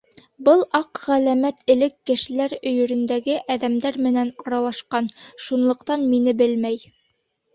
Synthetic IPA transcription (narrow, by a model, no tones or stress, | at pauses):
bɤlˠɑqʁælæmæt̪ʰɘ̆lɘkːɘ̆ʃɘ̆læɾɵ̆jɵ̆ɾɵ̆nd̪æɡɘʔæðæmd̪æɾmɘ̆nænɑɾɑlˠɑʃqɑnʃunlˠɤ̆qt̪ɑnminɘbɘlmæj